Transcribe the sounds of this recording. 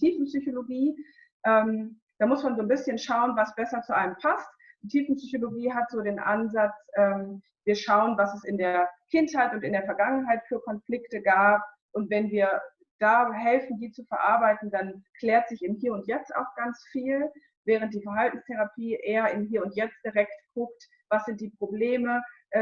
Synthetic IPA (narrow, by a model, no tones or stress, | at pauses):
tʰiːfn̩psyçoloɡiː | ʔɛːm | d̥aːmʊsmanzoːnbɪsçənʃaʊənvasb̥ɛsɐt͡suʔaləmpʰast | d̥iːtʰiːfn̩psyçoloɡiːɦatz̥oːdeːnʔa̰nzat͡sʔɛːm | viːɐʃaʊənvasɛsɪndeːɐkʰɪnthaɪtʊntɪndeːɐfɛɐɡaŋənɦaɪtfyːɐkʰɔnflɪktəɡaːp̚ | ʔʊntv̥ɛnviːɐ | d̥aːɦɛlfn̩diːt͡sufɛɐʔaɐbaɪtn̩d̥ankʰlɛːɐtz̥ɪçɪmɦiːɐʊntjɛt͡sta̰ʊxɡ̥ant͡sfiːl | vɛːʁ̞ənt̚d̥iːfɛɐɦaltn̩stʰɛʁ̞apʰiːʔeːɐɪmɦiːɐʊntjɛt͡std̥iʁɛktkʰʊk̚t | v̥asz̥ɪnt̚d̥iːpʁ̥obleːməʔ